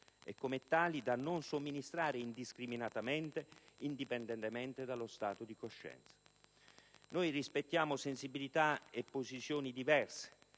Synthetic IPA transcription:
ɛ̰kːomet̪ːaːlid̪anːʊnsomːinist̪ɾaːɾeind̪iskɾiminat̪amɛnt̪eind̪ipɛnd̪ɛnt̪emɛnt̪ed̪alost̪aːt̪od̪ikoʃːɛ̰nt̪sḁ | nojrispet̪ːjaːmʊsensibilit̪aepːozit̪sjoːnid̪ivɛrse̥

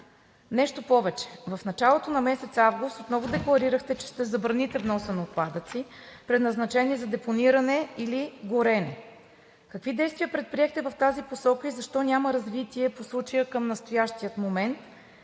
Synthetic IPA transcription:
nɛʃt̪opɔvɛt͡ʃɛ̥vɐfnɐt͡ʃalˠot̪onɐmɛsɛt̪savɡʊst̪ot̪nɔvʊd̪ɛklˠɐɾiɾəxt̪ɛt͡ʃɛ̥ʃt̪ɛzɐbɾɐnit̪ɛvnɔsɛnooːt̪̚pad̪ət̪sipɾɛd̪nɐznɐt͡ʃɛniɛzɐd̪ɛponiɾɐnɛiliɡoɾɛnɛ | kəkvid̪ɛjst̪vijəpɾɛt̪̚pɾiɛxt̪ɛvəft̪aziposɔkəizɐʃt̪ɔnʲaməɾɐzvit̪iɛposlˠut͡ʃɐjəkəmnɐst̪ojaʃt̪ijət̪momɛnt̪

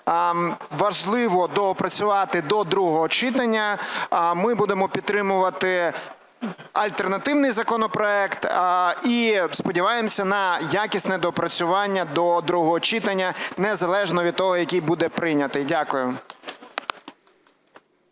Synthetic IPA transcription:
ʋɐʒlˠɪʋɔd̪ɔɔpɾɐt͡sʲʊʋɑt̪ɪd̪ɔd̪ɾuɦɔɦɔt͡ʃɪt̪ɐnʲːɐ | mɪbud̪emɔpʲit̪t̪ːɾɪmʊʋɐt̪ɪ | ɐlʲt̪ɛrnɐt̪ɪwnɪjzɐkɔnɔpɾɔɛkt̪ispɔdʲiʋɑjemsʲɐnɐjakʲisʲnɛd̪ɔpɾɐt͡sʲʊʋɑnʲːɐd̪ɔd̪ɾuɦɔɦɔt͡ʃɪt̪ɐnʲːɐnɛzɐlˠɛʒnɔʋʲid̪̚t̪ɔɦɔjɐkʲijbud̪ɛpɾɪnʲɐt̪ɪjdʲakʊjʊ

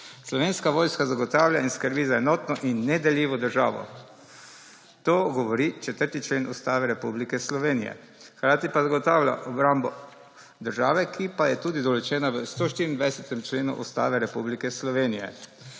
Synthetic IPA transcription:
slɔʋeːnskaʋoːjskazaɡɔt̪aːwlʲainskəɾbiːzaɛnɔːt̪nɔʔinːɛd̪ɛljiːʋɔd̪əɾʒaːʋɔ̰ | t̪oːɡɔʋɔɾit͡ʃɛt̪əɾt̪it͡ʃlenʔust̪aːʋɛɾɛpublikɛslɔʋeːnijɛ̰ | xkɾaːt̪ipazaɡɔt̪aːwlʲa̰ʔɔbɾambɔ | d̪əɾʒaːʋɛkʰipajɛt̪ud̪id̪ɔlɔt͡ʃɛːnaʋəst̪oʃt̪iːɾind̪ʋajsɛt̪ɛmt͡ʃleːnṵʔust̪a̰ːʋɛɾɛpublikɛslɔʋeːnijɛ̰

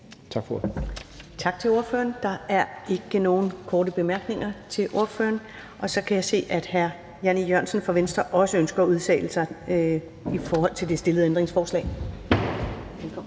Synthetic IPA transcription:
t͡sʰɑ̈ɡ̥fɒ | t͡sʰɑ̈ɡ̥̚t͡sʰe̝lo̝ɐfø̰ːɐnd̥ɑ̈æɐe̝ɡ̥əno̝ːn̩kʰɒːdəb̥e̝mæɐɡ̥ne̝ŋɐt͡sʰe̝lʔo̝ɐfø̰ːɐn | ʔɒ̽sɒ̽kʰæjɑ̈ɪse̝̰ːʔæd̥hæɐ | jænijɶɐnsən̩fɒ̽ʋensd̥ɐʔɒ̽səønsɡ̥ɐːuð̞ˠt͡sʰɛ̰ːɪləsɑ̈ɪ | ifɒːhɒ̽l̰t͡sʰe̝ld̥e̝sd̥e̝lð̩ˠend̥ʁeŋsfɒːslɛ̰ː | ekʰ

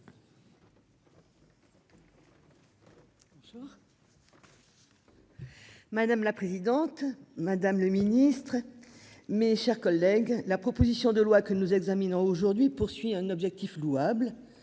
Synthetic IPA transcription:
uʁ | mad̪amlapχezid̪ɑ̃t̪mad̪amləminist̪χ | meʃɛʁkɔlːɛɡlapχɔpozisjɔ̃d̪əlwakənuzɛɡzaminɔ̃oʒuʁd̪ɥipuʁsɥiɛ̃nɔbʒɛk̚t̪ifluabl

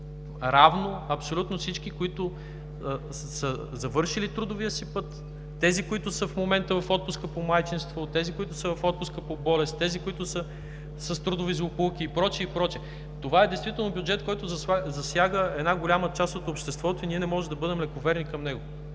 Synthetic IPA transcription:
ɾavnoɐpsolʲut̪nofsit͡ʃk̟ikoit̪ʊ | sə | zɐvɤɾʃilit̪ɾud̪ʊviəsipɤt̪ː | ɛzikoit̪ʊsəfmomɛnt̪əvɐfɔt̪̚pʊskəpomajt͡ʃinst̪vot̪ɛzikoit̪ʊsəvɐfɔt̪̚pʊskəpobɔlɛst̪ɛzikoit̪ʊsə | səst̪ɾud̪ʊvizʊpulˠkiːpɾɔt͡ʃiipɾɔt͡ʃiɛ | t̪ovaɛd̪ɛjst̪vit̪ɛlˠnobʲjʊd͡ʒɛt̪kɔjt̪ʊzɐzɐsʲjaɡəɛd̪naɡolʲamət͡ʃast̪ot̪opʃt̪ɛst̪vɔt̪oiniɛnɛmɔʒɛd̪ɐbɤd̪ɛmlɛkovɛɾnikɐmnɛɡo

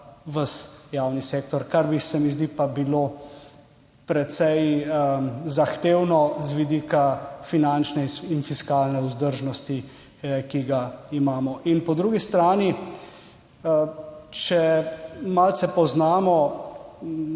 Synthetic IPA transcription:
ʋəsjaːwniseːkt̪ɔɾkaɾbisɛmizd̪ipabiloː | pɾɛt̪sɛj | zaxt̪eːwnɔzʋid̪iːkafinant͡ʃnɛinfiskaːlnɛuzd̪əɾʒnɔst̪i | kiɡaimaːmɔʔinpɔd̪ɾuːɡist̪ɾaːni | t͡ʃɛmalsɛpɔznaːmɔ

